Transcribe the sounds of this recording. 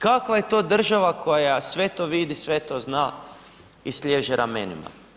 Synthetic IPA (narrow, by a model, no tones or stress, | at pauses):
kakʋajet̪o̞ːd̪r̩ʒaʋako̞jasʋe̞t̪oʋid̪isʋet̪ozna | islʲeːʒɛɾʔamenḭma̰